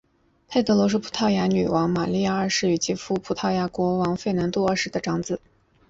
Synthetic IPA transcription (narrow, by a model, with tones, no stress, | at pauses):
t̪ʰa˥˩ɪt̪ʰɤ˧˥lwɔ˧˥ʂ̬u˥pʰu̥˧˥t̪ʰɑ˥˩ʊja˧˥ny˨˩wʔɑ˧˥ŋma˨˩li˥˧ja˥˩ə˞˥˧ʂɻ̩˥˩y˧˩t͡ɕi˥fu˥˩pʰu˧˥t̪ʰɑ˥˩ʊja˧˥kwɔ˧˥wɑ˧˥ŋfe˥˩ɪna˧˥nt̪u˥˧ə˞˥˧ʂɻ̩˥d̪ə˧ʈ͡ʂɑ˧˥ŋt͡sɹ̩˨˩˦